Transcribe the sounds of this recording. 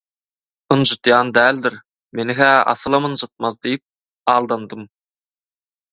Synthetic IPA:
ənʒɨt̪jɑːnd̪æːld̪ɪɾ | menɪɦæɑ̰θɯlˠɑmənʒɑt̪̚mɑθd̪ejp̚ | ɑːlˠd̪ɑnd̪əm

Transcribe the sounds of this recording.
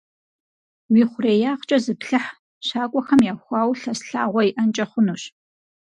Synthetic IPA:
wiːχʷʊreːjaːqt͡ʃʼɐzɨpɬɨħ | ɕaːkʷʼɔxɐmjaːxʷɑːwɬɐsɬa̰ːʁʷɔiʔɐnt͡ʃʼɐχʷʊnuːɕ

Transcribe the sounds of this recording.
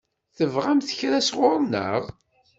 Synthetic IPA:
θəvʁæmθəçɾæsʁʊɾˤnə̰ʁ

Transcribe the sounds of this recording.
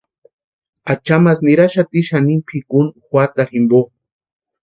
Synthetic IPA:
at͡ʃamas̬niɾaʃat̪iʃanimpʰikunxwat̪aximbo

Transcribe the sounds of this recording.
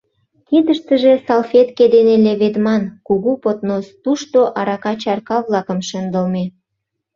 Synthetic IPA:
kid̪əʃt̪ə̆ʒesɑlfet̪ked̪eneleβed̪mɑnkuɣupot̪nost̪uʃt̪oʔɑɾɑkɑt͡ɕɑrkɑβlɑkəmʃə̆nd̪əlme

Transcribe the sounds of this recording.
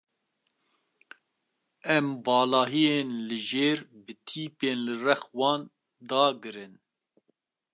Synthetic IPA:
ɛmbɑːlɑːɦijeːnlɨʒeːɾbɨt̪ʰiːpeːnlɨrɛxwɑːn | d̪ɑːɡɨɾɨn

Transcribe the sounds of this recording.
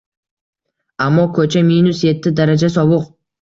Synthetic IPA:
amːɒkʰɵt͡ʃʰaminʊsje̞t̪ʰːɪd̪aɾad͡ʒasɒbʊq̚

